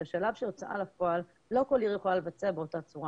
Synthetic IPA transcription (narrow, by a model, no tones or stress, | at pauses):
aʃalavʃejot͡sʔa̰lafo̞alː | o̞ko̞ljiʁjoχolale̞vat͡seabe̞o̞tat͡suʁa